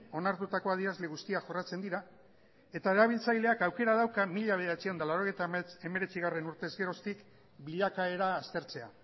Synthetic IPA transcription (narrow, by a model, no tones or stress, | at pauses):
o̞naɾt̪ut̪ako̞að̞iazle̞ɣust̪iaʝo̞rat͡se̞nd̪iɾa | e̞t̪aeɾaβ̞ilt͡sajle̞akawke̞ɾað̞awkamiʎaβe̞ðeat͡sio̞nd̪alawɾo̞ɣ̞ejt̪ae̞me̞ɾe̞t͡siɣ̞are̞nuɾt̪e̞zɡe̞ɾo̞st̪ik | biʎakae̞ɾaːst̪e̞ɾt͡se̞a̰